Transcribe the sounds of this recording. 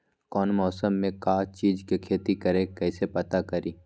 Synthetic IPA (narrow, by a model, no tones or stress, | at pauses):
kɔːnmɔːsəmːẽkaːt͡ʃiːd͡ʒkekʰeːt̪ikɐɾẽkɛːsepɐt̪akɐɾiː